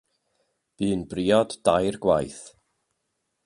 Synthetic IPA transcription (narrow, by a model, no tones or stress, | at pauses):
b̥ɨːnbriɔdːajrɡwajθ